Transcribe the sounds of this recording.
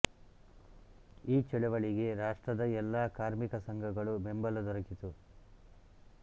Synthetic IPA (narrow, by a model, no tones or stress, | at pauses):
iːt͡ʃɛɭɛʋɐɭiɡe̞ɾaːʂʈɾɐd̪ɐɛlːaːkaːɾmikɐsɐŋɡʱɐɡɐɭumembɐlɐd̪ɔɾɐkit̪u